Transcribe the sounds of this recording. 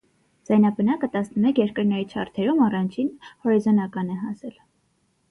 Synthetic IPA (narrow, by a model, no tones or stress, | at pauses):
d͡z̥ɑjnɑbənɑkət̪ɑsnəmɛkʰjɛɾkəɾnɛɾit͡ʃʰɑ̰rt̪ʰɛɾumɑrɑnt͡ʃʰinhɔɾizɔnɑkɑnɛɦɑsɛl